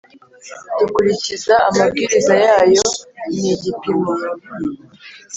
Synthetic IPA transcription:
ɟikuɾicizaamabɡiːɾizajaːjo̞iniɟipinuɾo

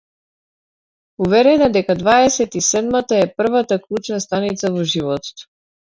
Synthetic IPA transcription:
uvɛɾɛnad̪ɛkad̪vaɛsɛt̪isɛd̪mat̪aɛpr̩vat̪aklˠut͡ʃnast̪anit̪savɔʒivɔt̪ɔ̥t̪

